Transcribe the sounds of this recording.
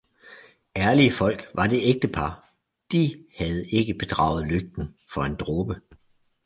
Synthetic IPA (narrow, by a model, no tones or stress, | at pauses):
æɐliəfɒ̽l̰ɡ̥ʋʔɑ̈d̥e̝eɡ̥̚d̥əpʰɑ̈ | d̥ihæð̞̩ˠe̝ɡ̥əb̥e̝d̥ʁɑ̰̈ʊð̞̩ˠløɡ̥̚d̥n̩ | fɒ̽e̝nd̥ʁɔːb̥ə